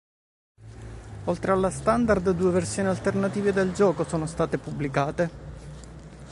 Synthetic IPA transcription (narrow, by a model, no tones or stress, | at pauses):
olt̪ɾealːast̪and̪ard̪d̪uːeversjoːnialt̪ernat̪iːved̪eld͡ʒɔːkosoːnost̪aːt̪epubːlikaːt̪e